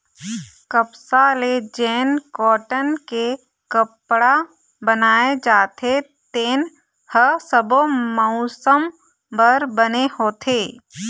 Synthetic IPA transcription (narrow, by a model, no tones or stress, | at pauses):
kəpsaled͡ʒɛːnkɔːʈənke | kəpɽa | bənaːed͡ʒaːt̪ʰe | t̪eːn | həsəbomɔʊsəm | bəɾbənehoːt̪ʰeː